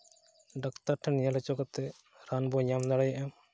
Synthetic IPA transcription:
ɖakt̪aɾʈʰanijalɛt͡ʃɔkɔt̪ɛ | ɾanbɔɲamd̪aɽɛjaʔam

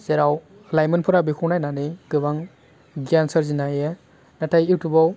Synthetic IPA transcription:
z̥eɾaw | lajmɯnpʰɔɾabikʰuwnajnaniɡɯbaŋ | ɡjansaɾzinajɯ | natʰajiwtʰubaw

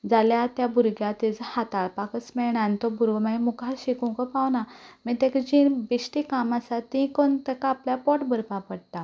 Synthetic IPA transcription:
d͡zaljat̪jabuɾɡjat̪it͡shat̪aɭpakət͡smɛɭɳant̪ɔbuɾʋmaimukʰaɕikũkɔpawnamət̪ɛ̃kd͡ʑĩbiɕʈikamasat̪ĩkɔnt̪əkːpljapɔʈbəɾpapəɽt̪a

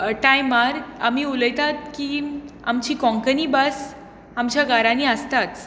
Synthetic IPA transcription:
ʈajmaɾamiːuləjt̪at̪̚kiːa̰mt͡ɕiːkɔ̃ŋkəniːbəs | amt͡ɕjaɡaɾãniəst̪at̪

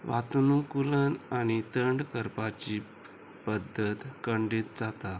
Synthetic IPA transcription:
ʋat̪unukulənañit̪əɳɖkəɾpat͡ɕiː | pəd̪ːət̪kəɳɖiːt̪d͡zat̪a

